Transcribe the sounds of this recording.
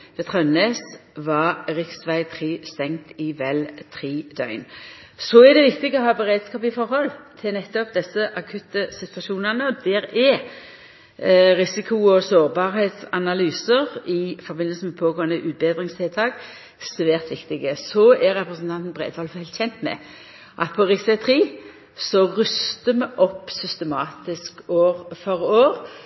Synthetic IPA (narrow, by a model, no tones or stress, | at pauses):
ʋɛt̪ʰʁœnleːsʋɑʁɪksʋæɪt̪ʰʁiːst̪ɛŋt̪ɪʋɛlt̪ʰɾiːd̪œʏn | sɔɛd̪ɛʋɪkt̪ɪɡəɔɦɑːbəʁeːd̪skɑːpɪfɔɾhɔlt̪ʰɪlnɛt̪ːɔpd̪ɛsːəʔɑkʰʉt̪ːəsɪt̪ʋɑʂuːnənəɔd̪ɛɾɛ | ʁɪsɪkʰʊɔsoːʁbɑːɾɦeːt̪sɑnɑlyːsəʁɪfɔɾbɪnːəlsn̩mɛpʰoːɡoːənəʔʉːt̪̚beːd̪ʁɪŋst̪ʰɪlt̪ʰɑːk | sʋæːʁt̪ʋɪkt̪ɪɡəsɔæɾɛpʁəsn̩t̪ʰɑnt̪n̩bʁḛːd̪ʋɑːlshɛɪlt̪çɛnt̪mɛ̰ | ʔɑ̰t̪̚pʰɔʁɪsət̪ʰʁiː | sɔʁʉst̪əmɛʔɔpːsʏst̪əmɑːt̪ɪskoːʁfɔʁoːʁ